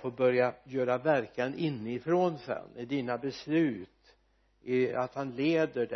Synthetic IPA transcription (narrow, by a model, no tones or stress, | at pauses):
foːbœɾjajœːɾavæɾkanɪnːɪfɾoːnsɛ̰nːɪd̪iːnabɛslʉ̟ːt̪ | ɪa̰t̪hanleːd̪əɖɛ